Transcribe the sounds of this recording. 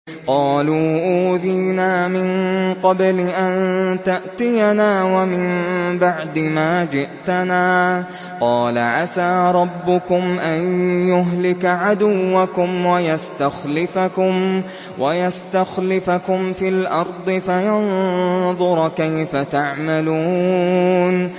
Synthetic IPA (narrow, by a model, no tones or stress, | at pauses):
qɑːluːʔuːðiːnaːmɪnqɑblɪʔant̪aʔt̪ɪjanaːwamɪmbaʕd̪ɪmaːd͡ʒɪʔt̪anaː | qɑːla̰ʕasaːɾˤɑbːʊkʊmʔanjʊɦlɪkʕad̪ʊwːakʊmwajast̪axlɪfakʊm | wʔajast̪axlɪfakʊmfilʔɑɾˤd̪ˤɨfajɑnðˤʊɾˤkajfat̪aʕmaluː | n